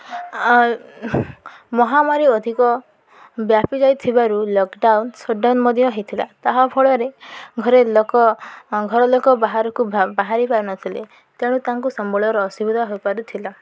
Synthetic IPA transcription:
mɔɦamaɾiɔd̪ʱikɔ | bjapid͡ʒajt̪ʰibaɾulɔkɖawnsɔɖanmɔd̪ʱjɔɦet̪ʰila̰t̪aɦɔbʱɔɭɔɾeɡʱɔɾelɔkɔɡʱɔɾɔlokɔbaɦaɾɔkubaɦaɾipaɾunɔt̪ʰile | t̪eɽ̃ũt̪aŋkusɔmbɔɭɔɾɔːsibid̪ʱɔɦojpaɾut̪ʰila

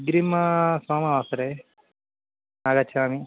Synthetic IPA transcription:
ɡɾimɐsaːmɐʋaːsɐɾe | naːɡɐt͡ʃʰaːmi

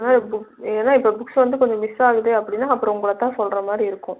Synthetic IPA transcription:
naːbʊkeːnːaːɪpːobʊksʋɐnd̪ɯkɔɲd͡ʒɔ̃mɪsaːɣɯðɯɐpːɐɽɪnːaːɐpːɯɾɔ̃ʊŋɡɭɐt̪ːãːsɔlɾɐmaːd̪ɾiɪɾɯkːʊ̃

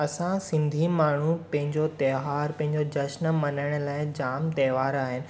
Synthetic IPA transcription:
ɐsãsɪ̃nd̪ʱimaːɳ̤uppɐ̃ɦɪ̃ɲd͡ʑot̪ɛːʋaːɾpɐ̃ɦɪ̃ɲd͡ʑod͡ʑɐʃnmɐnəɽ̃̆laːɪd͡ʑaːmt̪ɛːʋaːɾaːɦɪnɪɪ̆

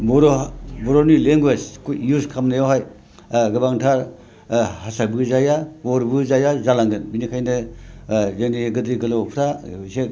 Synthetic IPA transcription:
bɔɾobɔɾonileŋɡwed͡ʒkjuskʰamnajawɦaj | ɡɐbaŋtʰaɾ | hasabɯzajaoɾbɯzajazalaŋɡɯnbinikʰajnɯ | zaniɡɯdɾiɡɐlawpʰɾase

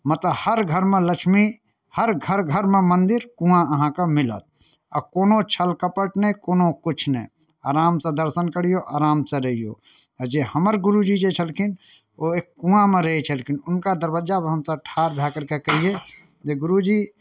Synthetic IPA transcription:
mət̪ləbhəɾɡʱəɾmẽləkʃʰmi | həɾɡʱəɾɡʱəɾmẽmənd̪ɪɾkũãəɦãkamɪlə̰t̪̚ | əkoːnot͡ʃʰəlkəpəʈnekoːnokʊt͡ʃʰnɛ | aːɾaːmsed̪əɾsənkəɽ̤ijoʔaːɾaːmseɾəɦijo̰ | d͡ʒehəməɾɡʊɾud͡ʒid͡ʒet͡ʃʰəlkʰɪn | oekːũãmẽɾəɦet͡ʃʰəlkʰinʊnkad̪əɾwəd͡ʒabɦəmsəʈʰaːɾbʱjaːkəɾkekəɦije | d͡ʒeɡʊɾud͡ʒi

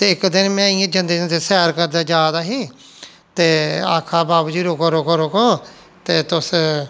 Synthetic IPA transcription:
t̪eːɪkd̪ɪnmɛ̃ːɪãːd͡ʒənd̪eːd͡ʒə̃nd̪eːsɛːɾkəɾd̪aːd͡ʒjaːd̪aːɦiː | t̪eːa̰ːkʰaːbaːbd͡ʒiːɾoːkəɾoːkəɾoːkõː | t̪eːt̪ʊs

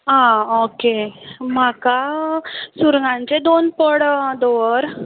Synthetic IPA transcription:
ɦãokemaka | suɾŋɡãɲt͡ɕed̪onpəɽd̪ɔəɾ

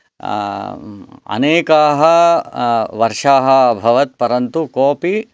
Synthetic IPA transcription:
ɐ̰neːkaːɦɐ | ʋɐɾʂaːɦɐbʱɐʋɐt̪̚pɐɾɐnt̪ukoːpi

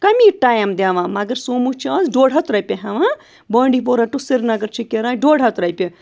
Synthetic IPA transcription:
kɐmiʈaːjɐmd̪aːʋãːmɐɡɐɾsoːmut͡ʃʰaːsɖoːɽɦɐt̪ɾɐjpʲeɦɐʋã | bəːɳɖip̬oːɾɐʈusiɾnɐɡɐɾt͡ʃʰikeɾãːɖoːɽʱɐt̪ɾɐjpʲe

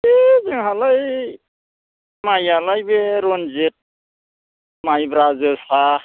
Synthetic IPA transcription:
ezeŋɦalaj | majalajbeɾɔnzet̚ | majbɾazesa

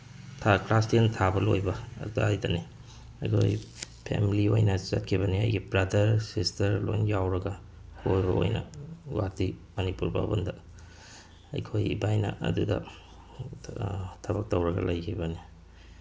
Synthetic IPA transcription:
tʰaklastiɐntʰabɐlojbɐɐ̰dudɐajdɐni | ɐjkʰo̰jpʰḛmiliojnɐsɐt̚kʰibɐniɐ̰jɡibɾɐdɐɾsistɐɾlojnjawɾɐɡɐ | kʰojbɐo̰jnɐ̰wa̰timɐnipuɾba̰bɐndɐ | ɐ̰jkʰojibajnɐ̰ʔɐ̰dudɐ̰ | tʰɐbɐk̚tɐwɾɐɡɐ̰lɐjkʰibɐni

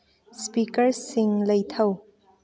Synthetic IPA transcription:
spikəɹsɪŋlejt̪ʰɐw

